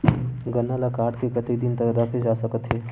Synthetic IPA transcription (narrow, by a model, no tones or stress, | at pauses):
ɡɐnːalakaːɾʈkekɐt̪id̪ɪnt̪ɐkd̪akʰed͡ʒaːsɐkət̪ɦɛː